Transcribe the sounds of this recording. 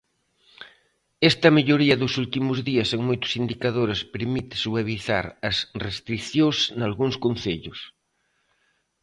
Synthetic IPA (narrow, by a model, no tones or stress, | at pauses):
ɛst̪ɐmeʎoɾiɐðʊsult̪imʊzðiɐseŋmojt̪ʊ̥sind̪ikaðoɾespeɾmit̪ɪ̥suβeβiθa̰ɾɐsrest̪ɾiθjosnalɣuŋskon̟θeʎʊs